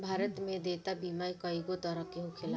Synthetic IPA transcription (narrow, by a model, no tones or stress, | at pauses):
bʱaːɾət̪mẽd̪eːt̪abiːmaːikəiɡot̪əɾəkeɦʊkʰɪla